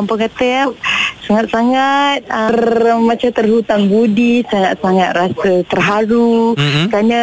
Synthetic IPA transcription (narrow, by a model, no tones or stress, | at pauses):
ampakat̪əap̚saŋat̪̚saŋat̪̚ərmat͡ʃat̪ərhut̪aŋbudisaŋat̪̚saŋat̪̚rasət̪ərɦaɾukɾanə